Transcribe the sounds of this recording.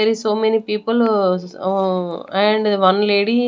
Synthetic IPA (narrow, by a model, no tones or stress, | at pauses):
eɾisoːmenipiːpul | ɛ̃ɳɖ̪ʋɐnleːɖi